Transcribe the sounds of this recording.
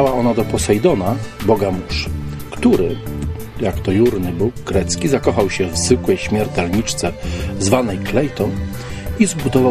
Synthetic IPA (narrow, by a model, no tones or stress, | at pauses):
awaɔnad̪ɔpɔsɛjd̪ɔnabɔɡamuʂkt̪uɾɘ | jakt̪ɔjuɾnɘbuwkɡɾɛt̪skʲizakɔxawɕɛvzɘkwɛjɕmʲjɛɾt̪ɛlɲit͡ʂt̪sɛzvanɛjklɛjt̪ɔn | izbud̪ɔva